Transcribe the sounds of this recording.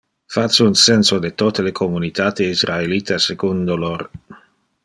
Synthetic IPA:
fat͡sunsɛnsod̪et̪ot̪elekʰomunit̪at̪eisraelit̪asekund̪oloɾ

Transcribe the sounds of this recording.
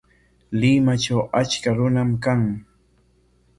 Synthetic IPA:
lɪmat͡ʃawat͡ʃkaɾʊnamkaŋ

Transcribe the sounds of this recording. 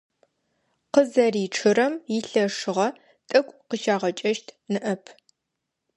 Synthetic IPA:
qəzɐriːʈ͡ʂʰɨɾɐmjɪɬɐʂɨʁɐ | tʼɨkʷʼqəʃaːʁɐt͡ʃʼɐʃtʰnɨʔɐpʰ

